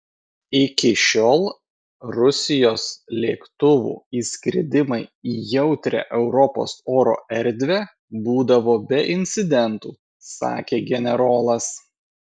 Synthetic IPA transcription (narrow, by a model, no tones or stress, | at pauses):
ɪkʲɪʃʲoːlˠ | ɾʊsʲɪjoːslʲḛːkt̪ʊʋṵːiːsʲkʲɾʲɪ̰d̪ʲɪmɐɪiːjɛʊt̪ʲɾʲɛ̰ʔɛʊɾɔpo̰ːsoːɾo̰ːʔɛɾʲˑd̪ʲʋʲɛ | buːd̪ɐʋoːbʲɛʔɪnʲt̪sʲɪd̪ʲɛnt̪uː | sɑ̰ːkʲeːɡʲɛnʲɛɾoːlˠɐs